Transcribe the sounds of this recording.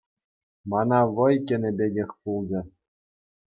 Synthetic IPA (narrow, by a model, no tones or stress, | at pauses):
mɑnɑʋɤ̆jkʲɘ̆nʲɘ̆bʲeɡʲexʲpulˠd͡ʑɘ̆